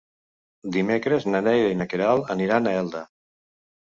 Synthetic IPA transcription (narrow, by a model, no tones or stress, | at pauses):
d̪imekɾeznənɛjɾeinəkeɾalˠəniɾanaɛlˠd̪ə